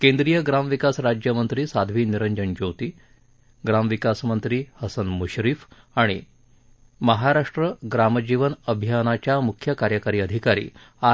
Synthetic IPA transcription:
kẽnd̪ɾijəɡɾamʋikasɾad͡ʑjəmənt̪ɾiːsad̪ʱʋiːniɾəɲd͡ʑənd͡ʑowt̪iː | ɡɾamʋikasmənt̪ɾiːhəsənmuɕɾif | aɽ̃i | məɦaɾaʂʈɾəɡɾaməd͡ʑiʋənəbʱijanat͡ɕjamukʰjəkaɾjəkaɾiːəd̪ʱikaɾḭː | a

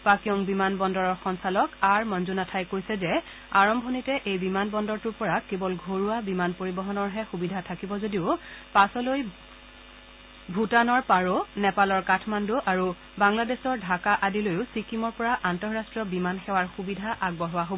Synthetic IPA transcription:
pakijɔŋbimanbɔndɔɹɔɹxɔnsalɔkaɹmɔnzunatʰajkojsɛzɛ | aɹɔmbʱɔnitɛʔejbimanbɔndɔɹtuɹpɔɹakebɔlɡʱoɹuabimanpoɹibɔɦɔnɔɹɦɛxubidʱatʰakibɔzodiʊpasɔloj | bʱutanɔɹpaɹonɛpalɔɹkatʰmanduʔaɹu | baŋladɛsɔɹdʱakaʔadilojʊsikimɔɹpɔɹaʔantɔɹɹastɹɔbimanxɛwaɹxubidʱaʔaɡ̚bɔɦʊwaɦobɔ

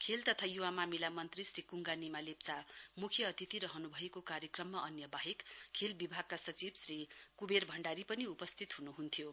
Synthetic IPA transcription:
kʰelt̪ʌt̪ʰajuwamamilamʌnt̪risrikuŋɡanimalep̚t͡samukʰjʌːt̪it̪iɾʌɦʌnubʱʌekokaɾjʌkrʌmːaʔʌnjʌbaɦekkʰelbibʱaɡ̚kasʌt͡sibsrikuberbʱʌɳɖaɾipʌniupʌst̪ʰit̪ɦunuɦunt̪ʰjo

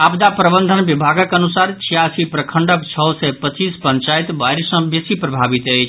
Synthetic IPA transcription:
abd̪apɾəbənd̪ʱənbibʱaɡəkənusaɾt͡ʃʰijasipɾəkʰəɳɖəkt͡ʃʰɔsɛpət͡ʃːispəɲt͡ʃajt̪bajɾsə̃besipɾəbʱabit̪əjt͡ʃʰ

